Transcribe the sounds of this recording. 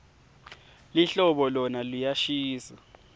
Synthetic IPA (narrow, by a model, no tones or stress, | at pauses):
liɬɔɓɔlɔnalujaʃiːsa